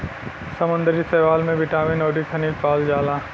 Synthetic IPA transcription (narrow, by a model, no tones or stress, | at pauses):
sɐmə̃nd̪əɾisɛːʋaːlmẽbɪʈaːmĩnoːʈikʰɐniːlpaːld͡ʒaːlaː